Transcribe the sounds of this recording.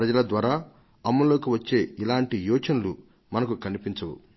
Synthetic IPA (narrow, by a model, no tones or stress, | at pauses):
pɾɐd͡ʒɐlɐd̪ʋaːɾaː | ɐmːɐlo̞ːkiʋɐt͡ʃːe̞ːilaːɳʈijɔːt͡ʃɐnɐlu | mɐnɐkukɐnipiɲt͡ʃɐwṵ